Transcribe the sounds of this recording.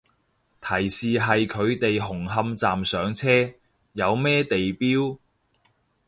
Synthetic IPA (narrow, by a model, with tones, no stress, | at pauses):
t̪ʰɐ˨˩jsiː˨ɦɐ˨jkʰɵ˨˧ɥt̪e˨jɦʊ˨˩ŋɦɐ˧mt͡saː˨msœː˨˥ŋt͡sʰɛː˥ | jɐ˨˧wmɛː˥t̪e˨jpiː˥w